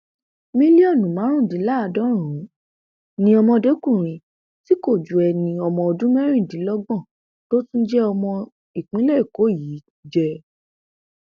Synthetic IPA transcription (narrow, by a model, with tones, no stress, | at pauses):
mĩ˦li˦ɔ˦˨nũ˨˦mã˨˦ɾ̃ũ˦˨di˨˦la˦a˧dɔ˦ɾ̃ũ˨˦ | nĩ˧ɔ˧mɔ̃˧de˨˦kũ˦˨ɾ̃ĩ˧ | ti˨˦ko˦˨d͡ʒu˨ɛ˨nĩ˨˧ɔ˧mɔ̃˧o˧dũ˦mɛ˦ɾ̃ĩ˦˨dĩ˨˦lɔ˦ɡ͡bɔ̃˦˨ | to˦tũ˦d͡ʒɛ˦ɔ˧mɔ̃˧ | i˨k͡pĩ˦lɛ˦˨ko˨˦˨jiː˨˦ | d͡ʒɛ˧